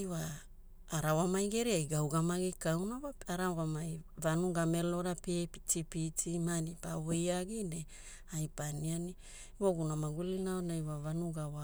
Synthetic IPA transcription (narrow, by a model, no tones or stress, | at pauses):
ajwaː | ɾawamajɡe̞ɾiajɡawɡamaɡikawnawaaɾawamajvanuɡame̞lo̞ɾapiptipitʰimanipawejaɡine | ajpaniani | waɡunamaɡulinaonajwavanuɡawa